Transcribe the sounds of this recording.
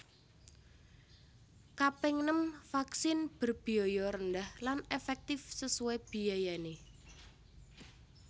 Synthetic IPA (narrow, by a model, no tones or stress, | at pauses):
kapɪŋnəmfaksɪnb̥ərb̥i̤ɔjɔɾənd̪ahlanefɛk̚t̪ɪfsəsueb̥i̤ajane